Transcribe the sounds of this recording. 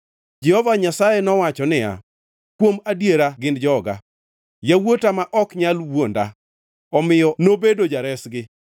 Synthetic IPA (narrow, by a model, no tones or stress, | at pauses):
d͡ʒɛhɔvaɲasajɛnɔwat͡ʃɔnɪja̰ | kwomadjeɾaɡɪndd͡ʒɔɡa̰ | jawotamaʔɔkɲalwonda̰ | ɔmɪjɔnobedod͡ʒaɾɛsɡɪ